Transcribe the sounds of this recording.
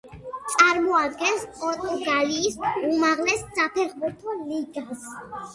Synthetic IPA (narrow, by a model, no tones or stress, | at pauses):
t̪sʼaɾmɔad̪ɡɛnspʼɔɾt̪ʼuɡaliːsumaʁlɛsːapʰɛχbuɾt̪ʰɔliɡas